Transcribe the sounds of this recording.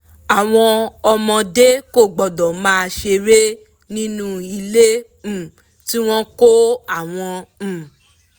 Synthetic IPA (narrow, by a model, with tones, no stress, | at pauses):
a˨w̃ɔ̃˧ɔ˧mɔ̃˧de˦ko˦˨ɡ͡bɔ˨dɔ̃˨mãː˦˧ʃe˧ɾe˦ | nĩ˦nũ˦i˧lẽ˦˨ | ti˦w̃ɔ̃˦ko˦a˦˨w̃ɔ̃˧˨